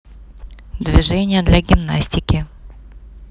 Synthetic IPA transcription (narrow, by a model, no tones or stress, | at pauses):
d̪vʲɪʐɛnʲɪjəd̪lʲɐɡʲɪmnasʲtʲɪkʲɪ